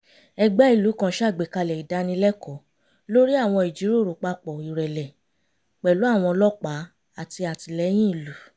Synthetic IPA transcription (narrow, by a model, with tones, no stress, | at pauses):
ɛ˧ɡ͡bɛ˦i˦˨lu˨˦kã˦˨˦ʃa˦˨ɡ͡be˨ka˧lɛ˨i˨da˧˦nĩ˧lɛ˦kɔ˨˦ | lo˦ɾi˦a˦˨w̃ɔ̃˧i˨d͡ʒi˨˦ɾo˦˨ɾo˨˦k͡pa˧k͡pɔ˨i˨ɾɛ˨lɛ˨ | k͡pɛ˨lu˨˦a˦˨w̃ɔ̃˧lɔ˦k͡pa˨˦ | a˨ti˧a˨ti˧lɛ˨˦j̃ĩ˦i˨lu˨˦